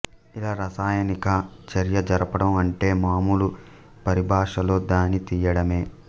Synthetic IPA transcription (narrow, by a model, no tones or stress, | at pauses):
ilaːɾɐsaːjɐnikɐt͡ʃɐɾjɐd͡ʒɐɾɐpɐɽɐmɐɳʈe̞ːmaːmulu | pɐɾibʱaːʂɐlo̞ːd̪aːnit̪iːjɐɽɐme̞ː